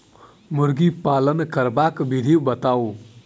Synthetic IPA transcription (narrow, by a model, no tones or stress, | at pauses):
muɾɡipalənkəɾbakbid̪ʱibət̪aw